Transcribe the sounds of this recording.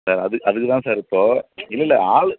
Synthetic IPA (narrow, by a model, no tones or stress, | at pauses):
saːɾɐðɯɐðɯkːɯt̪ãːsaːɾɾɯpːoːɪlːɐɪlːɐaːɭɯ